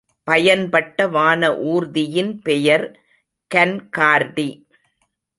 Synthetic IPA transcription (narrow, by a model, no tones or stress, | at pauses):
pɐjɐnpɐʈːɐʋaːnɐʔuːɾðɪjɪnpɛjɐɾ | kɐnkaːɾdi